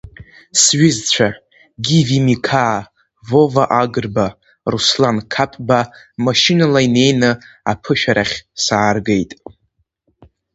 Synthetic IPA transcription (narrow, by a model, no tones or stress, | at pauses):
sɥɪzt͡ɕʷʰa | ɡʲivimikʰaː | vo̞vaʔaɡɨrba | ruslankʰapʼbamaʃɪnalaine̞jnɨ | apʰɨʃᶣaɾʔaχʲsaːrɡe̞jtʼ